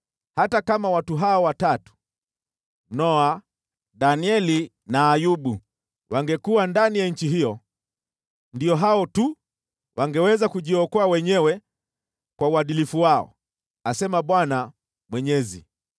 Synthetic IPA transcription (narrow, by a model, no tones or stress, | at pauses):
hatakamawatuɦaɔwatatu̥ | nɔa | ɗaniɛli | naːjuɓu | wʔaŋɡɛkuwandanijaɲ̩t͡ʃiɦijɔ | ndijɔɦaɔtu | wʔaŋɡɛwɛzakuʄiɔkɔawɛɲɛwɛ | kwauaɗilifuwaɔ̰ | asɛmaɓwana | mwɛɲɛzḭ